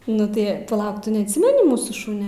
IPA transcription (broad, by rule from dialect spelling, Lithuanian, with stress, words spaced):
ˈnʊ tɐɪ pɐˈlˠɐʊk ˈtʊ nʲɛɐtʲˈsʲɪmʲɛnʲɪ ˈmuːsuː ˈʃʊnʲɛ